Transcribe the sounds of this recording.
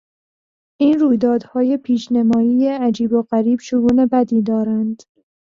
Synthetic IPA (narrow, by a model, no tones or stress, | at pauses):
ʔiːnruːjd̪ɒːd̪hɒːje̞pʰiːʃnemɒːiːjeæd͡ʒiːboɣæɾiːb̥ʃoɡuːne̞bæd̪iːd̪ɒːɾænd̪̥